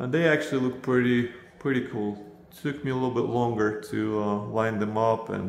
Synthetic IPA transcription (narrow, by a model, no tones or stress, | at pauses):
ʔə̃nðeɪæk̚t͡ʃʉl̩ˠilʊk̚t̚pʰɹ̥ɪɾipʰɹ̥ɪɾikʰulˠ | tʰʊkmiəlɪɾl̩ˠbɪʔˡlɔ̃ŋɡə˞ɾʰɨʌlãɪ̃nðɨ̃mʌpɨ̰̃n